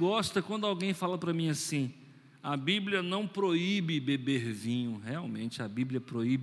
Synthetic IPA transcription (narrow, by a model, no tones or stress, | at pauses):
ɡɔst̪ɐkwɐ̃nd̪ʊawɡẽj̃falɐpɾɐmĩasĩ | ɐbiblʲjɐnɐ̃w̃pɾoibɪbebeɾvĩɲʊheawmẽt͡ʃɪɐbiblʲjɐpɾoibɪ